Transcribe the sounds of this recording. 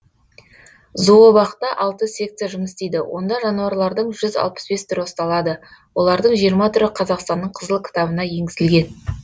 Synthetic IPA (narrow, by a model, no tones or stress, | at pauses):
zuwobɑqt̪ɑʔɑlˠt̪əse̞k̚t̪eʒʊməst̪e̞jd̪ɪwʔo̞̰nd̪ɑʒɑnuɑɾlˠɑɾd̪əɴʒʏzɑ̰lˠpə̥sbe̞st̪ʰʏɾwost̪ɑlˠɑd̪əwo̞lˠɑɾd̪əɴʒijəɾmɑt̪ʰʏɾɪqʰɑzɑqst̪ɑnːəɴqʰəzəlˠkʲʰɪ̥t̪ɑbənɑje̞ŋɡʲɪzɪlɡʲe̞n